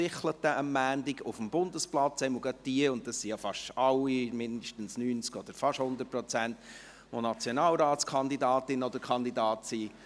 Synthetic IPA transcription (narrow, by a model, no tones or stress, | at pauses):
ɪχlət̪ːəʔəmːæːndɪɡʊfəmbʊndəsplɑt͡sɛɪməɡœtːiəʊnt̚d̥ɑsːijɑfɑʃɑlːimɪndəʃtən̩snyːnt͡skɔd̥̪əɾfɑʃhʊnd̪ət̚pɾɔt͡sænt | ʋonɑt͡sjɔnɑːlɾaːtskʰχɑnd̪idɑːt̪ɪnɔd̪əɾkʰχɑnd̪idɑːt̪si